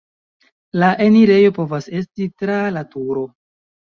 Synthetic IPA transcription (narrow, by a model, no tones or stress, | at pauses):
laʔe̞niɾe̞jo̞po̞vase̞stitɾalatuɾo̞